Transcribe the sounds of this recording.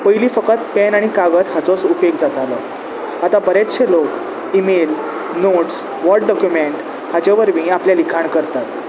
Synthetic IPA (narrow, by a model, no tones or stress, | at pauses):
pəjliːfəkət̪̚pɛnaɽ̃ikaɡət̪hat͡sɔsupekd͡zat̪alə | at̪abəɾat̪ɕʰelok | imel | noʈs | ʋɔɾɖ̚ɖɔkjumeɳʈ | had͡ʑaʋəɾmiːapljalikʰaɳkəɾt̪at̪